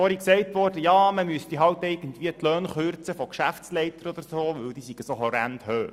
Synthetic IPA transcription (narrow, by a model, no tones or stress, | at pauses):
ɔɾiksɛɪtʋɔːrd̥əjɑːməmyəst̪iɦɑwtɛɪɡ̥ən̩tvʋiːətløːnχøɾt͡səfɔkʃæfslɛɪtəɾɔd̪əɾsoːʋɵwd̪iːsiɡ̥əsoɦɔɾæ̰nd̪̥høː